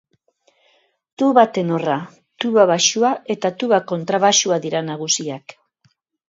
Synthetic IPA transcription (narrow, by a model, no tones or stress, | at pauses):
t̪uβat̪e̞no̞ra | t̪uβaβaʃuae̞t̪at̪uβako̞nt̪ɾaβaʃuaðiɾanaɣ̞usiak